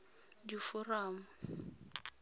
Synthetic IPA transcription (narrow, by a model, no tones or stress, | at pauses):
difʊraːmʊ